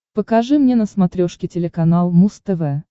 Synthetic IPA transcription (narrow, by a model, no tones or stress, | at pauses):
pəkɐʐɨmnʲenəsmɐt̪ɾʲoʂkʲɪtʲɪlʲɪkɐnalˠmust̪ɛvɛ